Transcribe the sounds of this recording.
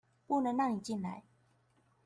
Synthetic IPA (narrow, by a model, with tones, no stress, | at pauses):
pu˥˨nə˧˦ŋɻɑ˥˩ŋni˨˩t͡ɕi˥˨nla̰˧˦ɪ